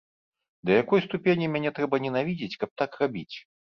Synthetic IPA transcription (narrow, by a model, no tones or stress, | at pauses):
d̪ɐjakɔjst̪upʲenʲimʲanʲɛt̪ɾɛbɐnʲɛnavʲid͡zʲɪt͡sʲkɐp̚t̪akrabʲit͡sʲ